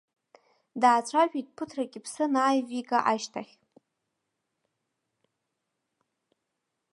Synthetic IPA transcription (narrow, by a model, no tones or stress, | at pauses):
daːt͡ɕʷʰaʒᶣitʼpʰʊtʰraɡʲɪpʰsɨnaːjviɡʼaʔaʃtʰaχʲ